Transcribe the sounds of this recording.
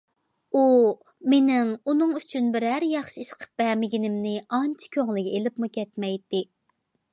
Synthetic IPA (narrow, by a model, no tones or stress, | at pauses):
u | menɪŋunɨŋyt͡ʃʰynbɪɾæɾjɑχʃiiʃqʰə̥p̚b̥ɛmɪɡʲinɪmnɪɑnt͡ʃʰi̥kʲʰøŋlˠɪkʲelɪpmukʲʰɛt̪mɛjt̪ɪ